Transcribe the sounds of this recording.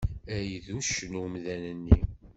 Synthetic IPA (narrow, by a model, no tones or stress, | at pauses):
æjðuʃnumðænənːi